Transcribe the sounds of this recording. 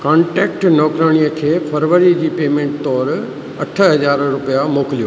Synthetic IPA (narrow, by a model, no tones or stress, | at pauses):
kãːɳʈeːk̚ʈnɔːkɾəɽ̃ijəkʰeːfʰɐɾʋəɾid͡ʑiːpeːmẽːɳʈ̚t̪ɔːɾ | ɐʈʰəɦɐd͡ʑaːɾɾʊpijamoːkɪlijoː